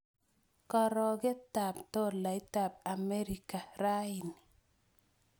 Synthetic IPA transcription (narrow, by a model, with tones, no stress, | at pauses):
kɔ˨ɾɔ˨ɡɪ˦ta˨pto˦la˨ɪ˦ta˨ba˨me˦ɾi˨ka˨ɾa˦ɪ˨ni